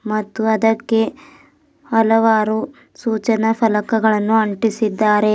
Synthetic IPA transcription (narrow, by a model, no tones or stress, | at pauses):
mɐt̪ːuɐd̪ɐkːe̞ | ɐlɐʋaːɾu | suːt͡ʃɐnɐfɐlɐkɐɡɐɭɐnːuɐɳʈisid̪ːaːɾe̞